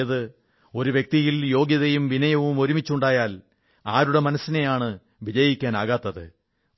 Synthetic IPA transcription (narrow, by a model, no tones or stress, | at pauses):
ɐðɨ | o̞ɾuʋje̞k̚t̪ijiljo̞ːɡjɐðɐjumʋinɐjɐʋumo̞ɾumit͡ɕːuɳɖaːjaːl | aːɾuɽemɐnɐsːine̞jaːɳɨ | ʋid͡ʑɐjikʲːaːnaːɣaːt̪ːɐðɨ̰